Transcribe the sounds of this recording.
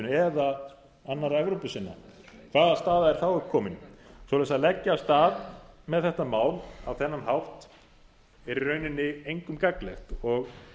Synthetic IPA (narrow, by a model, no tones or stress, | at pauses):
nɛða | anːaɾaɛvɾowpʏsɪnːa̰kʰvaːðast̪aːðaɛɾ̥θawʏkʰɔːmɪnsɔlaɛsaðlɛcːaːst̪aːðmɛðθɛht̪amaːwlawθɛnːanɦawft̪ | ɛɾirœːɥnɪnːɪejŋkʏmkaklɛxt̪ɔɣ